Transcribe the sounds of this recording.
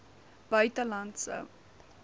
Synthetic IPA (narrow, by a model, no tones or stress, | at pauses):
b̥œɥtəlɐntsə̰